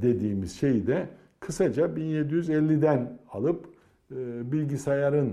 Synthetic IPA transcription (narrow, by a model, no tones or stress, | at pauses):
d̪e̞d̪iːmiz̥ʃe̞jd̪ɛ | kʰɯsad͡ʒabinje̞d̪ijyzɛlʲːid̪ænalˠɯp | ɯbilʲɟisajaɾɯn